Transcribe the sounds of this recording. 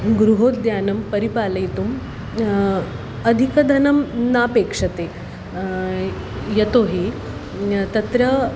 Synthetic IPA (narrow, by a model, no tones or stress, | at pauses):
ɡɾuɦoːt̪̚d̪jaːnɐmpɐɾipaːlɐjt̪um | ɐd̪ʱikɐd̪ʱɐnɐmnaːpeːkʂɐt̪e | jɐt̪oːɦi | t̪ɐt̪ɾɐ